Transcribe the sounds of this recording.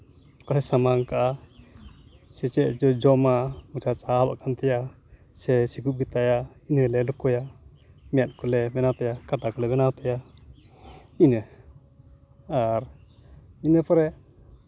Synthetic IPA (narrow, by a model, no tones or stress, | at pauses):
kɔlɛsamaŋkaʔa | sɛt͡ʃɛʔ̚d͡ʒɔd͡ʒɔmamut͡ʃat͡ʃaaba̰ʔkant̪ɛja | sɛsikup̚ɡit̪ajainəlɛlukɔja | mɛjat̪̚kɔlɛmɛnat̪ɛjakaʈakɔlɛbɛnawt̪ɛja | inə | aɾ | inəpɔɾɛ